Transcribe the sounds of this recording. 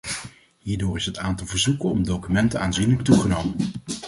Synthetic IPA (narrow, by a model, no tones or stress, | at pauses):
ɦiːɹdoːɹɪsɦətaːntɑlˠvəɹzukənɔmdowkymɛntənaːnzinlək̚tuχənowmən